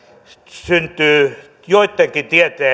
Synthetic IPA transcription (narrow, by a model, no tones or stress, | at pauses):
synt̪ˑyː | joit̪ːˑeŋkit̪iet̪eː